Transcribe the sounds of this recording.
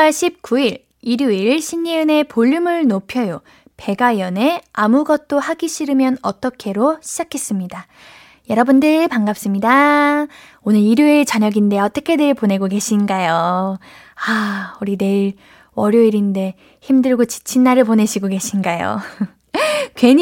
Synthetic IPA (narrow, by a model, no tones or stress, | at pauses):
aɭɕʰip̚k͈uiɾ | iɾjuiɭɕʰiɲːiɯne̞poʎːumɯɭnopʰjʌjo | pe̞ɡajʌne̞amuɡʌt̚t͈ohaɡiɕʰiɾɯmjʌnʌt͈ʌkʰe̞ɾoɕʰid͡ʑakʰe̞s͈ɯmɲida | jʌɾʌbundɯɭpaŋɡap̚s͈ɯmɲida | onɯɾiɾjuet͡ɕaɲʌɡinde̞ʌt͈ʌkʰe̞neɭpone̞ɡoɡe̞ɕʰinɡajo | auɾine̞ɭ | wʌɾjoiɾinde̞ | çimdɯɭɡot͡ɕi̥t͡ɕʰinːaɾɯɭpone̞ɕʰiɡoɡe̞ɕʰinɡajo̰ | kwe̞ɲ